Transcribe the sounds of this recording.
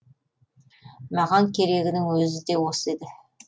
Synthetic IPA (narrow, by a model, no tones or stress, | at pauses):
mɑʁɑŋkʲʰe̞ɾe̞ɡʲɪnɪŋwɵzɪd̪e̞wose̞d̪ɪ